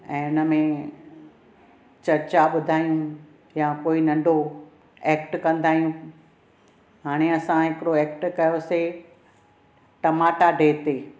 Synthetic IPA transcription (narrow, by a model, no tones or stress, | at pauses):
ɛ̃ːʊnə̆mẽ | t͡ɕɐɾt͡ɕaɓʊd̪ʱaːijũ | jakoːinɐ̃ɳɖʱo | eːk̚ʈkɐ̃nd̪aːɦijũ | ɦaːɽ̃eɐsãɦɪkɪɾoɛːk̚ʈkɐjose | ʈɐmaːʈaɖʱeːt̪eː